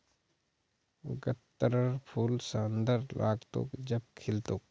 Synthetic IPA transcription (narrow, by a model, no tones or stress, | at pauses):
ɡət̪ːəɾəɾpʰuːlsɐnd̪əɾlʔa̰ːɡt̪o̰kd͡ʒɐb̚kʰɪlt̪oːk